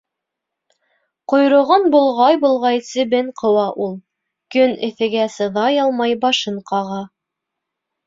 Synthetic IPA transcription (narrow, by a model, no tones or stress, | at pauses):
qŏjɾŏʁɤnbulˠʁɑjbulˠʁɑjsɘ̆bɘɴqʰɤ̆wɑʔulˠ | kɵnɘ̆θɘ̆ɡæsɤ̆ðɑjɑlˠmɑjbɑʃɤɴqɑʁɑ